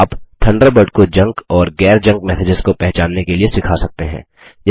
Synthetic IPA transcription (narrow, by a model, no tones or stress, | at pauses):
aːpt̪ʰɐ̃ɳɖəɾbəɾɖkod͡ʒɐ̃ŋkɔːɾɡɛːɾd͡ʒɐ̃ŋk̚mɛːsɪd͡ʒɪzkopɛɦt͡ʃaːnːekeliesɪkʰasɐk̚t̪eɦɛ̰̃ː | j